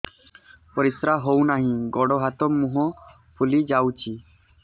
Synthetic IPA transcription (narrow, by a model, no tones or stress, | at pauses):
pɔɾisɾaɦownaɦĩɡɔɽɔɦat̪ɔmũɦɔ̃ | pʰulid͡ʒawt͡ʃʰi